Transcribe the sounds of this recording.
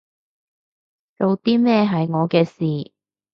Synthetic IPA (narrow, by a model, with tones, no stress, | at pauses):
t͡ʃo˨wt̪iː˥mɛː˥˧ɦɐ˨˧jŋɔː˨˧kɛː˧siː˨